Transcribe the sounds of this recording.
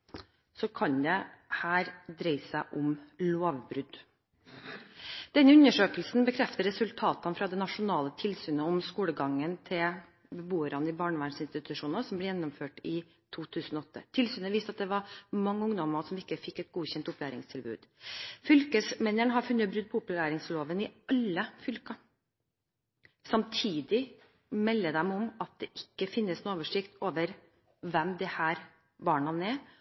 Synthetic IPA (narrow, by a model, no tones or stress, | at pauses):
sɔkʰɑɲd̪ɛ | hæːɾd̪ɾɛɪsæɪʔʊmloːʋbɾʉd̪ | d̪̥ɛnːəʉnːəʂøːkəlsn̩bəkʰɾɛft̪əɾɛsʉlt̪ʰɑːt̪ɑnfɾɑd̪ɛnɑʂʊnɑːlət̪ʰɪlsyːnəɔmskuːləɡɑŋːənt̪ʰɪl | bəbuːəɾɑnəɪbɑːɳəʋæɳsɪnst̪ɪt̪ʰʉʂuːnɑsɔmblɛjɛnːɔmføːʈɪ | t̪ʰuːt̪ʰʉːsn̩ɔɔt̪ːə̰t̪ʰɪlsyːnəʋiːst̪ɑt̪̚d̪ɛʋɑɾmɑŋːəʊŋd̪ɔmɑsɔmɪkːəfɪkːɛt̪̚ɡuːçɛnt̪ʊplæːɾɪ̰ŋst̪ʰɪlbʉ̰ːd̪̥fʏlkəsmɛnːəɳɦɑɾfʉnːəbɾʉd̪̚pʰɔʊpʉlæːɾɪŋsloːʋənɪɑlːəfʏlkɑ | sɑmt̪ʰiːd̪ɪ | mɛlːəd̪ɛmɔmɑt̪̚d̪ɛʔɪkːəfɪnːəsnuːoːʋəʂɪkt̪oːʋəɾ | ʋɛmd̪ɛhæːɾ | bɑːɳɑnɛ